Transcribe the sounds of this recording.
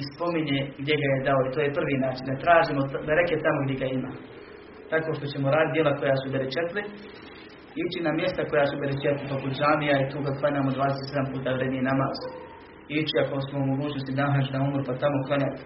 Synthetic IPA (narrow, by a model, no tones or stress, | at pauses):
ispo̞miɲeɡd̪je̞ɡajed̪aoit̪oːje̞pr̩ʋiːnaːt͡ʃind̪at̪ɾaːʒimod̪aɾeket̪amoɡd̪ʲjeɡaima̰ː | t̪ako̞ːʃt̪o̞t͡ɕe̞moɾaːd̪it̪d̪jelakojasubeɾet͡ʃet̪li | it͡ʃinamje̞st̪ako̞jasubeɾet͡ʃet̪lipaput̪ʒaːmijait̪uːkad̪klˠaɲaːmod̪ʋaːd̪eset̪sd̪ampuːt̪aːʋɾemienamaːz | it͡ʃiako̞smoumo̞ɡuːt͡ɕnost̪id̪aaɦat͡ʃnaumɾupat̪amoklaɲat̪